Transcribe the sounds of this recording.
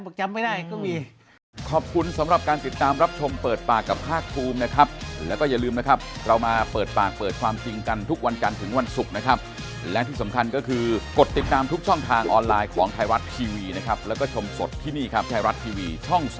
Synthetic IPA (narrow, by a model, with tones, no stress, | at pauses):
b̚t͡ɕa˧mːa˥˩daː˥˩jkɔ˥˩miː˧ | kʰɔː˨˩p̚kʰu˧nsa˨˦mɾa˨˩p̚kaː˧nt̪i˨˩t̪ːaː˧mɾa˦˥p̚t͡ɕʰo˧mpɤː˨˩t̪̚paː˨˩kːa˨˩p̚kʰaː˥˩k̚pʰuː˧mna˦˥kʰa˦˥p̚lɛː˦˥wkɔ˥˩ja˨˩lɯː˧mna˦˥kʰa˦˥p̚ɾa˧wmaː˧pɤː˨˩t̪̚paː˨˩k̚pɤː˨˩t̪̚kʰwaː˧mt͡ɕi˧ŋka˧nt̪ʰu˦˥k̚wa˧nt͡ɕa˧nt̪ʰɯ˩˦ŋwa˧nsu˨˩k̚na˦˥kʰa˦˥p̚ | lɛ˦˥t̪ʰiː˥˩sa˩˦mkʰa˧nkɔː˥˩kʰɯː˧ko˨˩t̪ːi˨˩t̪ːaː˧mt̪ʰu˦˥k̚t͡ɕʰɔ˥˩ŋt̪ʰaː˧ŋʔɔː˧nlaː˧jkʰɔː˩˦ŋt̪ʰaː˧jɾa˦˥t̪̚t̪ʰiː˧wiː˧na˦˥kʰa˦˥p̚lɛː˦˥wkɔː˥˩t͡ɕʰo˧mso˨˩t̪ʰːiː˥˩niː˥˩kʰa˦˥p̚t̪ʰaː˧wɾa˦˥t̪ʰiː˧wiː˧t͡ɕʰɔ˥˩ŋ